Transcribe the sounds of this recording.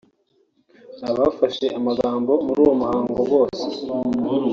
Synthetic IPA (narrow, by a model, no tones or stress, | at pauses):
aβaːfaʃe̞ʔamaɡaːmbo̞muɾuːwo̞muhaːŋɡo̞ɡo̞ːse̥